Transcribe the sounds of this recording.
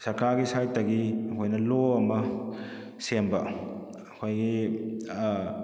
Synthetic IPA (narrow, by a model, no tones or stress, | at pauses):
sɐɾkaɾɡisajtɐɡiɦojnɐloɐmɐ | sembɐ | ɐkʰojɡi